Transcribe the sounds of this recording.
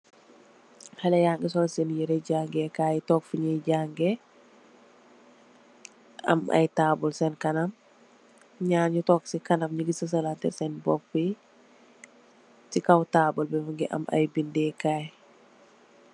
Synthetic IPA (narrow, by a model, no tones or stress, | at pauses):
hɛlɛjaːŋɡɛs̬ɔlsɛnjiɾɛɟaːŋɡɛkaːjitɔːkfuɲɛɟaːŋɡe | ɐ̰mɐ̰jtaːbɔlsɛnkɐnam | ɲaːnɲutɔːksikɐnamɲiɡisɐs̬ɐlantɛ̰sɛnbɔpːi | sikawtaːbɔlbɛmuŋɡiʔɐ̰ma̰jbindɛkaːj